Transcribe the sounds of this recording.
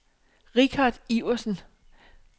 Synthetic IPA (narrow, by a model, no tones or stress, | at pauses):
ʁiɡ̥ʰɑd̥ˠiʊ̰ɐsn̩